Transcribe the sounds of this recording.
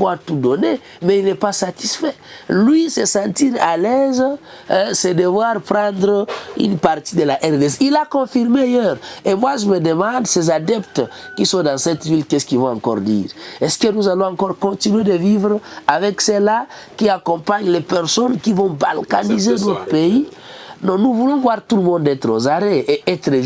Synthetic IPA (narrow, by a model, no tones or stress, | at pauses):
vwat̪ud̪ɔne | mɛilnɛpasat̪isfɛlɥisesɑ̃t̪iʁalɛz | sɛd̪əvwaʁpʁɑ̃d̪ʁəy̰npaʁt̪id̪əlaʔɛʁd̪esilakɔ̃fiʁmeajøʁemwaʒəməd̪əmɑ̃d̪sezad̪ɛpt̪kisɔ̃d̪ãsɛt̪vilkɛskilvɔ̃ãkɔ̰ʁd̪ḭːʁɛskənuzalɔ̃ãŋkɔʁkɔ̃t̪inɥed̪əvivʁavɛksela | kiakɔ̃paɲlepɛʁsɔnkivɔ̃ba̰lkanizenɔt̪ʁəpei | nɔ̃nuvulɔ̃vwaʁt̪uləmɔ̃nd̪ɛt̪ɾozaʁeʔeʔɛt̪ɾə